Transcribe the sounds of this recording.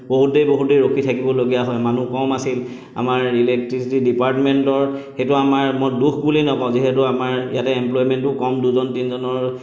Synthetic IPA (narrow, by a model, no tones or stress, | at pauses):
boɦutejboɦutejɹokʰitʰakibɔloɡijaɦɔjmanukɔmasil | a̰maɹilek̚tɹisitidipaɹtmentɔɹxetuamaɹmɔjdukʰbulinɔpaʊ̃ziɦetʊamaɹḭjatɛemplɔjmɛntʊkɔmduzɔntinzɔnɔɹ